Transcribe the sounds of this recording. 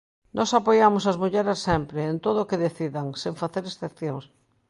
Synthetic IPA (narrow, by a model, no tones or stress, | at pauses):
nʔɔsapojamʊsɐzmuʎɛɾesːɛmpɾeːnt̪oð̞ʊːkeðeθiðaŋsẽɱfaθeɾesθepθjoŋs